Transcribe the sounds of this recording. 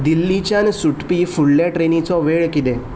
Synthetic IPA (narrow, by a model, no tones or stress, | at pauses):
d̪ilːit͡ɕjansuʈpifuɽljaʈɾenit͡sɔʋeɭkit̪ẽ